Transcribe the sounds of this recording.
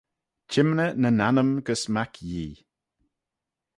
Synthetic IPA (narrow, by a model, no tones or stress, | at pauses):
t͡ʃʰɪmnənənanəmɡəsmakʰjiː